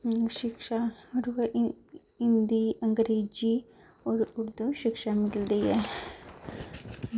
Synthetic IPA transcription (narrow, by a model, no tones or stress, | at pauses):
uʃɪkʃaɾu | ɪnd̪iɐ̃ŋɡɾeːd͡ʒi | ɔːɾʊɾd̪uʃɪkʃamɪlld̪iɦɛː